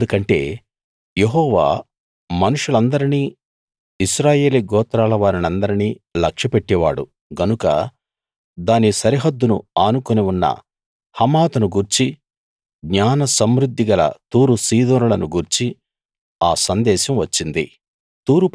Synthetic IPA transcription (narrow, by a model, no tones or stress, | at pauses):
d̪ukɐɳʈe̞̰ː | jeɦɔːʋa̰ː | mɐnuʂulɐnd̪ɐɾiniː | iʃɾaːje̞ːliɡɔːt̪ɾaːlɐʋaːɾinɐnd̪ɐɾiniː | lɐkʂɐpeʈːɛʋa̰ːɽṵ | ɡɐnukɐ̰ | d̪aːnisɐɾiɦɐd̪ːunṵaːnukoneunːɐ̰ | hɐmaːt̪ɐnuɡuɾt͡ʃi | ɡɲaːnɐsɐmɾud̪ʱːiɡɐlɐ̰t̪uːɾusiːd̪oːnulɐnuɡuɾt͡ʃi | aːsɐnd̪ɛːʃɐmʋɐt͡ʃːind̪ḭ | t̪uːɾup